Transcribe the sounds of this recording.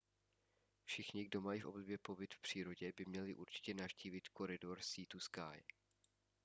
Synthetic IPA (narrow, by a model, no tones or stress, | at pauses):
fʃɪxɲɪɡdo̞majifʔo̞bdobjɛpo̞bɪt̪fpr̝̥iːɾo̞ɟɛbɪmɲɛlɪʔuɾt͡ʃɪ̥cɛnafʃciːvɪt̪ko̞ɾɪdo̞ɾsiːt̪uska̰j